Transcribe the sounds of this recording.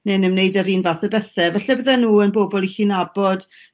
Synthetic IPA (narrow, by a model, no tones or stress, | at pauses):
nenəmnejdəɾiːnvaθɛbɛθɛvɛɬɛbəðɛnuːənbobɔlˠixinabɔd̥